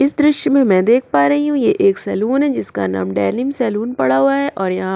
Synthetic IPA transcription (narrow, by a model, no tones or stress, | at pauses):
ɪsd̪ɾɪʃjmẽmɛ̃ːd̪eːkʰpaːɾɐɦiɦũjeʔeːksɛːluːnɦɛd͡ʒɪska̰na̰ːmɖɛːɾnɪmsɛːluːnpɐɽaɦoaɦɛʔɔːɾjɐɦã